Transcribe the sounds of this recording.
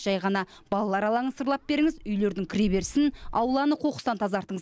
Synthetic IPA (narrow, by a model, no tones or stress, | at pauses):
ʒ̥ɑjʁɑnɑ | b̥ɑlˠɑlˠɑɾɑlˠɑʁənsəɾlˠɑp̚be̞ɾɪŋɪzʏjle̞ɾd̪ɪŋkʲʰɪɾebe̞ɾsɪnɑ̰wlˠɑnəqʰo̞qə̥st̪ɑnt̪ʰɑzɑɾt̪əɴə